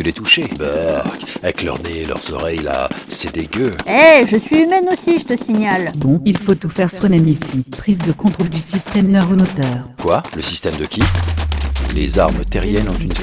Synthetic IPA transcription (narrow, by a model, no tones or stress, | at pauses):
əlet̪uʃebɔʁkavɛklœ̰ʁnelœ̰ʁz̥ɔ̰ʁɛjla̰sed̪eɡʲøɛʒəsɥiymɛnosiʒət̪əsiɲalbɔ̃ilfot̪ufɛʁswɛnɛmisipχizd̪əkɔ̃t̪χold̪ysist̪ɛmnœʁənot̪œːʁkwaləsist̪ɛmd̪əkʲʰi | lḛzaʁmt̪ɛʁjjɛnɔ̃t̪yn